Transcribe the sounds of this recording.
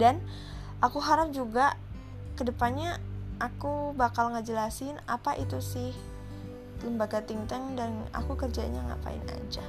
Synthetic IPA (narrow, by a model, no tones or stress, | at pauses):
dan | ʔakuɦaɾap̚d͡ʒuɡa | kədəpanɲaʔːkubakalŋad͡ʒəlasɪnapaʔit̪usɪh | kəmbaɡat̪iŋt̪ɛŋdana̰kukərd͡ʒa̰ɲaŋa̰pa̰ɪ̰na̰d͡ʒa